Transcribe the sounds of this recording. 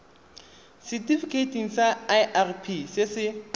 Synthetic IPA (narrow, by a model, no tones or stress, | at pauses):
sɛtifikʰetʰʼiŋ̩saaɪʔarpʰisɪsɪ